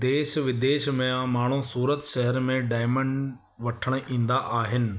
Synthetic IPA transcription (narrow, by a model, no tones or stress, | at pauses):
d̪eːʃʋɪd̪eːʃmẽãmaːɳ̤usuːɾət̪ʃɛɦəɾmẽɖaːɪməɳɖ | ʋɐʈʰəɽ̃̆ʔĩːnd̪aʔaːɦɪnɪ̆